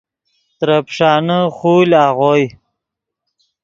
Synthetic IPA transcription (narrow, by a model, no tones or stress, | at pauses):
t̪ɾapʂɑːnəχulaːʁoj